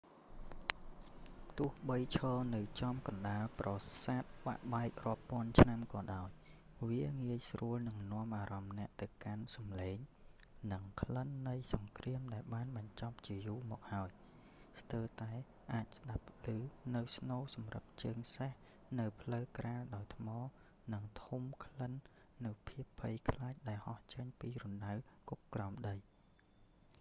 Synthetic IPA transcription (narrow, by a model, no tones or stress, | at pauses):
t̪ʊ̆əhɓəjt͡ɕʰɑːnɨwt͡ɕɑmkɑnɗaːlprɑsaːt̪̚ɓa̰ʔɓaɛk̚rŏəpːŏənt͡ɕʰnamkɑːɗaɔj | ʋiəŋiəjsruəlnɨŋnŏəmʔaːɾɑmnɛ̆əʔt̪ɨwkansɑmleːŋ | nɨŋkʰlənːɨjsɑŋkriəmɗaɛlɓaːnɓɑɲt͡ɕɑp̚t͡ɕiəjuːmɔ̰ːk̚haəj | st̪əːt̪aɛ | ʔaːc̚sɗapʰːlɨːnɨwsnoːsɑmrə̰p̚t͡ɕəːŋseh | nɨwpʰləwkraːlɗaɔjt̪ʰmɑː | nɨŋt̪ʰumkʰlənː | ɨwpʰiəpʰːəjkʰlaːc̚ɗaɛlhɑht͡ɕəɲpiːrunːawkukkrɑmɗəj